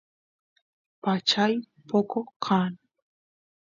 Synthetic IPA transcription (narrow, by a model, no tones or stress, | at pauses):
pat͡ʃaj | pokokʰan